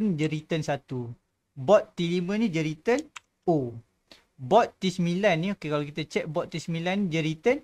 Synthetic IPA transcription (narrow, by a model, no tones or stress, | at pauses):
nd͡ʒəɾit̪ənsat̪u | bɔt̪ːilimə̃nid͡ʒəɾit̪ən | o | bɔt̪ːisəmilanːiokekalakit̪at͡ʃɛk̚bɔʔ̪isəmilanːid͡ʒəɾit̪ən